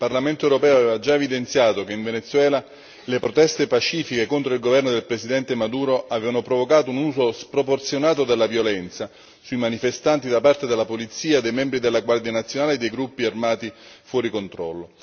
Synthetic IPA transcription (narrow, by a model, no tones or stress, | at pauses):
ilparlament̪oeɛwɾopɛːoavɛːvad͡ʒaevid̪ent̪sjaːt̪okeiɱvenet̪sːwɛːla | lepɾot̪ɛst̪epat͡ʃiːfikekont̪ɾoilɡovɛrnod̪elpɾesid̪ɛnt̪emad̪uːɾoʔavɛːvanopɾovokaːt̪ounuːsospɾoport̪sjonaːt̪od̪elːavjolɛnt̪sa | suimanifest̪ant̪id̪apart̪ed̪elːapolit̪siːaed̪ejmɛmbɾid̪elːaɡward̪ianat̪sːjonaːled̪ejɡɾupːiarmaːt̪ifwɔːɾikont̪ɾɔ̰lːo